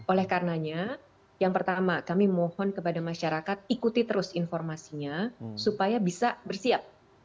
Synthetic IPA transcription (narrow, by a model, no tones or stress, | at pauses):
ʔolɛhkarənaɲa | jaŋpərt̪amakamimɔhɔnkəpadamaʃaɾakat̪̚ikut̪it̪əɾʊsinfɔrmasiɲasupajabisabərsiap̚